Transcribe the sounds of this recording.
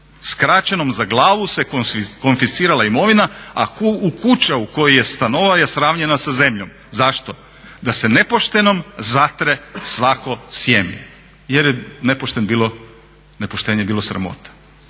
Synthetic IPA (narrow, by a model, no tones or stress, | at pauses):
skɾat͡ɕeno̞mzaɡlˠaːʋuse̞kokonfist̪iːɾalaimo̞ʋinaakuukut͡ɕauko̞jijest̪ano̞ʋʋajesɾaːʋɲe̞nasaze̞mʎo̞m | zaʃt̪o | d̪ase̞ne̞poʃt̪e̞no̞mzat̪ɾe̞sʋako̞sjemi | jeɾjene̞poʃt̪e̞nbiːlˠo̞ | nepoʃt̪eːɲebiːlosɾa̰mo̰t̪ḁ